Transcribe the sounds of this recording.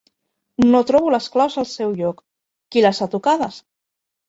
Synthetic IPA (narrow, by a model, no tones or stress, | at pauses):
not̪ɾɔβuləsklawzəlˠsɛwʎɔkː | ilasat̪ukaðəs